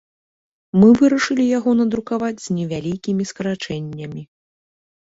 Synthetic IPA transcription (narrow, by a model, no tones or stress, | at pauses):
mɨvɨɾɐʂɨlʲijaɣɔnɐd̪ɾukavad͡zʲz̥ʲnʲɛvʲalʲikʲimʲiskɐɾat͡ʂɛnʲːɐmʲi